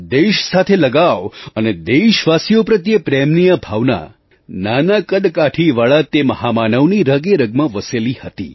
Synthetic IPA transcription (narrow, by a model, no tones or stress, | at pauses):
d̪eʃsat̪ʰeləɡaʋəned̪eʃʋasijopɾət̪jəpɾemnijəbʱaʋna̰ | nanakəd̪kaʈʰiʋaɭat̪eməhamanəʋniɾəɡeɾəɡmãʋəselihət̪ḭ